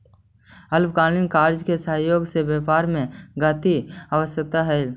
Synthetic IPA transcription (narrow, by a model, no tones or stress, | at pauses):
əlbkaːlinkaːɾd͡ʒkesəɦjoːɡsebeːpaːɾmẽɡət̪iaʋəsjək̚t̪aɦɛɪl